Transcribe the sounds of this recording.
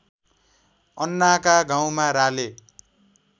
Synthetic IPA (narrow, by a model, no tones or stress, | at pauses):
ʌnːakaɡaw̃maɾale